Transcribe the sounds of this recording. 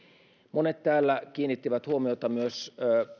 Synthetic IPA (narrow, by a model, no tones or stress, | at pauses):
monet̪t̪æːlːæk̟iːnːit̪ːiʋæt̪huomiot̪ɑmyøs